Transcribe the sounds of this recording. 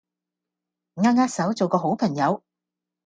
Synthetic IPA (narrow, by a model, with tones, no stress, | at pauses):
ŋaː˧ŋaː˧˥t̚sɐ˨˥wt͡so˨wkɔː˧ɦo˨˥wpʰɐ˨˩ŋjɐ˨˧w